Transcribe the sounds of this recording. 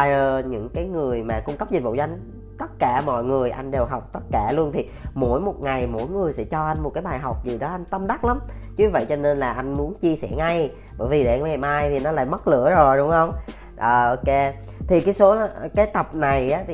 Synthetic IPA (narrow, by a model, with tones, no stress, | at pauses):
a˧jəː˧˩ɲɨ̰˧˥ŋkaː˨˦jŋɨ˨˩əjmaː˨˩kʊ˧ŋ͡mkə˦˥p̚zi˨˩vṵ˧˨t͡ɕːŋ | t̪ə˦˥t̚kaː˧˩mɔ̰˧˨jŋɨ˨˩əjʔa˧jŋ̟ɗe˨˩wɦa˨˩wk͡p̚t̪ə˦˥t̚kaː˧˩lu˧ənt̪ʰi˨˩mo̰˧˥jmo˨˩t̚ŋa˨˩jmo̰˧˥jŋɨ˨˩əjsɛ̰˧˥t͡ɕɔ˧ʔa˧jŋm˨˩t̚kaː˨˦jɓaː˨˩jɦa˨˩wk͡p̚zi˨˩ɗɔ˨˦ʔa˧jŋ̟t̪ə˧mɗa˦˥t̚la˨˦m | t͡ɕɨ˨˦˧və̰˧˨jt͡ɕɔ˧ne˧nlaː˨˩ʔa˧jŋ̟mu˨˦ənt͡ɕi˧sɛ̰˧˩ŋa˧j | ɓə̰ː˧˩jvi˨˩ɗe˧˩˧mɛ˨˩maː˧jt̪ʰi˨˩nɔ˨˦la̰ː˧˩˨jmə˦˥t̚lɨ̰˧˥əzo˨˩jɗʊ˧˦wŋ͡mhə˧wŋ͡m | ʔəː˨˩ʔo˧ke˨˧˦ | t̪ʰi˨˩kaː˨˦jso˨˦˨kaː˨˦jt̪ə˨˩p̚na˨˩jʔaː˨˦t̪